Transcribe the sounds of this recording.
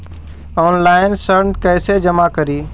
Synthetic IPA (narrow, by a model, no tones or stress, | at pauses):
ɔːnlaːɪnsəɾɳkɐːɪsed͡ʒɐmakɐɾiː